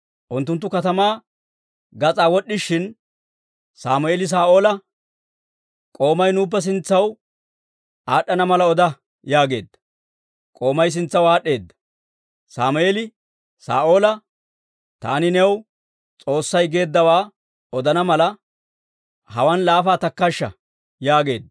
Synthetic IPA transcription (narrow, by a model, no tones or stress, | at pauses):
ʔʊnt̪ːʊnt̪̬ːʊkɐt̪ɐmaː | ɡɐt͡sʼaːwɔɗːɪʃːɪn | saːmʊeːlɪs̬aːʔo̞ːlɐ | kʼo̞ːmɐjnuːp̬ːɛs̬ɪnt͡sːɐw | aːɗːɐnɐmɐlɐɔd̪ɐ | jaːɡe̞ːd̪ːɐ̥ | kʼo̞ːmɐjs̬ɪnt͡sːɐwaːɗe̞ːd̪ːɐ̥ | saːmʊeːlɪ | sa̰ːʔo̞ːlɐ | t̪a̰ːnɪnɛw | t͡sʼo̞ːsːɐjɡe̞ːd̪ːɐwaː | ɔd̪ɐnɐmɐlɐ | hɐwɐnlaːfaːt̪ɐkːɐʃːɐ̰ | jaːɡe̞ːd̪ːɐ